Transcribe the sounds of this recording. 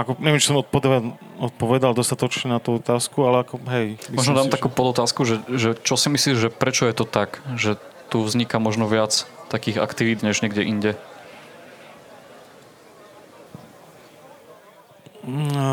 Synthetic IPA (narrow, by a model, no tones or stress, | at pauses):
akɔɲɛʋɛmt͡ʃi̥sɔmɔt̪̚pɔd̪ | ɔt̪̚pɔʋɛd̪ald̪ɔst̪at̪ɔt͡ʃɲɛnat̪uɔt̪aːskualɛakɔɦɛjbimɔʒʒnɔd̪aːmt̪akuːpɔd̪ɔt̪aːskuʒɛʒɛt͡ʃɔsimisliːʒʒɛpɾɛt͡ʃɔjɛt̪ɔt̪akʒɛt̪uvzɲikamɔʒnɔʋɪat͡st̪akiːɣa̰kt̪iʋiːd̪ɲɛʒɲɛɡɟɛʔiɲɟɛ